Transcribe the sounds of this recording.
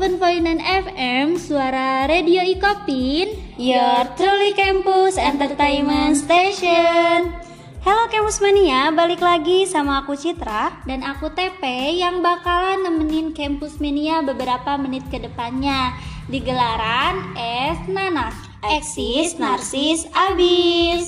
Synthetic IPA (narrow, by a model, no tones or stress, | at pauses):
vənfoinanɛfɛmsuaɾaɾedioikopin | jɔrt̪ɾolikɛmpusɛnt̪ərt̪amənst̪eʃɔn | hɛlokɛmpusmaniabalɪklaɡisamaːkut͡ʃit̪ɾadanakut̪epɛjaŋbakalanəməninkɛmpusmeniabəbəɾapamənɪt̪̚kədəpanɲadiɡəlaɾanɛsnanak̚ | ɛksisnarsisabis